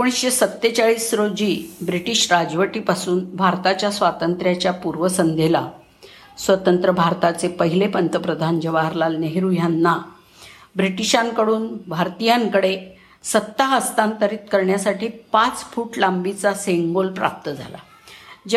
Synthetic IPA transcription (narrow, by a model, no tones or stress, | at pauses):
koɽ̃isɕesət̪ːet͡saɭiːsɾod͡ʑiːbɾiʈiɕɾad͡zʋəʈiːpasuːnbʱaɾt̪at͡ɕjasʋat̪ənt̪ɾjat͡ɕjapuɾʋəsənd̪ʱela | sʋət̪ənt̪ɾəbʱaɾt̪at͡sepəɦilepənt̪əpɾəd̪ʱand͡ʑəʋaɦəɾlalneɦɾujanːa | bɾiʈiɕaŋkəɽuːnbʱaɾt̪ijaŋkəɽe | sət̪ːaɦəst̪ãnt̪əɾiːt̪kəɾɳjasaʈiːpat͡sfuːʈlambit͡saseŋɡolpɾa̰p̚t̪əd͡zʱa̰la̰ | d͡ʑ